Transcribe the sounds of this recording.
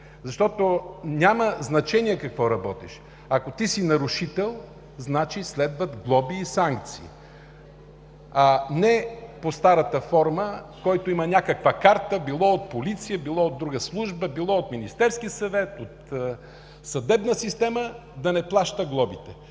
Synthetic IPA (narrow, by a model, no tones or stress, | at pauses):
zɐʃt̪ɔt̪onʲaməznɐt͡ʃɛniɛkɐkvɔɾɐbɔt̪ɛʃ | ɐkot̪isinɐɾʊʃit̪ɛlˠ | znat͡ʃislɛd̪vət̪ɡlˠɔbiːsaŋk̚t̪sḭː | anɛpost̪aɾət̪əfɔɾməkɔjt̪oimɐnʲakəkvəkaɾt̪əbilˠɔot̪̚polit̪sijəbilˠɔod̪ɾuɡəslˠuʒbəbilˠɔot̪minist̪ɛɾskiəsɐvɛt̪ot̪ | sɐd̪ɛbnəsist̪ɛməd̪ɐnɛplˠaʃt̪əɡlˠɔbit̪ɛ